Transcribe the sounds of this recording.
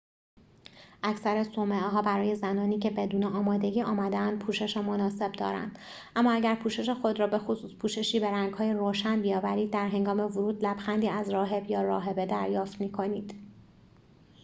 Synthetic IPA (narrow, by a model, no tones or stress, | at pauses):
ʔæcʰsæɾesomeɦɒːbæɾɒːje̞zænɒːniːcʰe̞be̞d̪uːneɒːmɒːd̪e̞ɟiːʔɒːmæd̪eænd̪̥̚pʰuːʃe̞ʃemonɒːse̞bd̪ɒ̰ːɾæ̰nd̪̥ | ʔæmːɒːæɟæɾpʰuːʃe̞ʃexo̞d̪ɾɒːbe̞xosuːspʰuːʃe̞ʃiːbe̞ɾæŋɡhɒːjeɾoːʃænbijɒːvæɾiːd̪̚ːæɾɦe̞ŋɡɒːme̞vuɾuːd̪læb̥xænd̪iːæzrɒːɦe̞bjɒːɾɒːɦe̞be̞d̪æɾjɒːft̪miːkʰo̞niːd̪̥